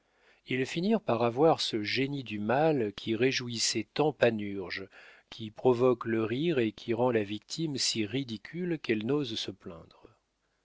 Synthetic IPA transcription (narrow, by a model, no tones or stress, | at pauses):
ilfiniʁpaʁavwaʁsəʒenid̪ymalkʲʰiʁeʒuisɛt̪ɑ̃panyʁʒkʲʰipχɔvɔkləʁiʁekʲʰiʁɑ̃lavik̚t̪ʰimsiʁid̪ikʲʰylkɛlnozsəplɛ̰̃d̪ʁ